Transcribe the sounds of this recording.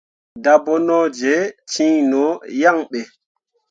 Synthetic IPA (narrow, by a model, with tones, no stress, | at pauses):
dabɔ˦nɔ˦d͡ʒɛ˨t͡ʃĩ˦nɔ˨ja˦ŋɓɛ˨